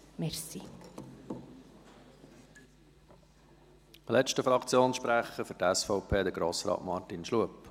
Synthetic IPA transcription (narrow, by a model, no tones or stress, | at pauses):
mɛɾsi | lɛt͡ʃtəfɾɑkt͡sjoːnsʃpɾæχəfʏɾtɛsfɔʊpʰeːd̪əɡ̥ɾoːsɾɑ̰ːtmɑɾtinʃluəp